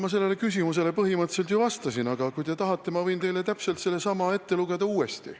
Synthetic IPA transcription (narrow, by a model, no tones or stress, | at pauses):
mɑs̬e̞lːe̞le̞kysimus̬e̞le̞pɤɦimɤt̪se̞lt̪̬jouvɑst̪ɑsinɑɡ̥ɑkujt̪e̞t̪ɑɦɑt̪ːe̞mɑvɤ̞jnt̪e̞jle̞t̪æpse̞lt̪se̞lːe̞sɑmɑe̞t̪ːe̞luɡ̥e̞d̪ɑuːe̞st̪ḭ